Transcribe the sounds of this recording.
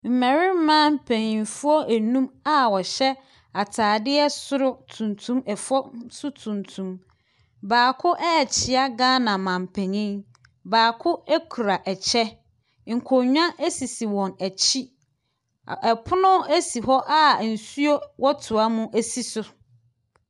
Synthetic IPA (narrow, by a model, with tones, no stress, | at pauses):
m̩˨mæ̃˨ɾɪ˦m̩˦mãː˦m̩˦pʰɛ̃˨ɲĩ˨n˨fʊ˦ɔ˦ʔæ˨nũ˦ma˨wɔ˨ɕɛ˦ | a˨tʰaː˨dɪ˦ɛ˦sʊ˦ɾʊ˦tʰũ˨ntʰũ˦mɛ˨fɔ˦sʊ˦tʰũ˨ntʰũ˦m | baː˨kʰʊ˦ʔɛ˦ɛ˨t͡ɕʰɪ˨a˦ɡãː˦nã˨mã˨m̩˨pʰɛ̃˨ɲĩ˦ | baː˨kʰʊ˦ɛ˦kʰu˨ɾa˨ʔɛ˨t͡ɕʰɛ˦ | ŋ̩˨kʰo˨ɲᶣ˦ã˦ʔæ˦si˨si˨wɔ̃˨næ˨t͡ɕʰi˦˨ | ɛ˨pʰʊ˦nʊ̃˦æ˦si˨hɔ˦ʔa˨n̩˨su˦o˦wʔɔ˦tʰʊ˨a˦mũ˦ʔæ˦si˦sʊ˨